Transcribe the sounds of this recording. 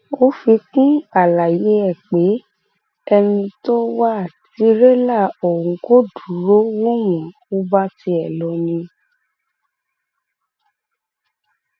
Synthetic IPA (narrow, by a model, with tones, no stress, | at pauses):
o˦fi˧kũ˦a˨la˨je˨˦ɛ˦˨k͡pe˨˦ | ɛ˧nĩ˧to˦wa˦˨ti˧˦ɾe˦la˦˨o˨ũ˨ko˦du˨ɾo˦wo˦w̃ɔ̃˨ | o˦ba˦ti˧˦ɛ˨lɔ˨˧nĩ˧